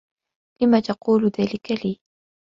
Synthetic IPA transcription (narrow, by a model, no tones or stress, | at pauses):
ʔɪmat̪ɑquːlʊðaːlɪkaliː